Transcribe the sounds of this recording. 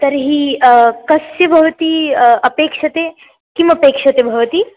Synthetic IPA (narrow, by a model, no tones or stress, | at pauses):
t̪ɐɾɦikɐsjɐbʱɐʋɐt̪iɐpeːkʂɐt̪e | kimɐpeːkʂɐt̪ebʱɐʋɐt̪i